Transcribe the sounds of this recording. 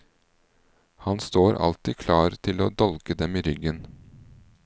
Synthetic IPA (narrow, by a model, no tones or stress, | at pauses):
hɑnst̪oːɾʔɑ̰lt̪ɪkʰlɑːɾt̪ʰɪloːd̪ɔlkəd̪ɛmiːɾʏɡən